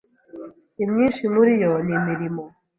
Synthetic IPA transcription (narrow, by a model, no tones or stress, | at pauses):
imɲinʃimuɾijɔnimiɾimɔ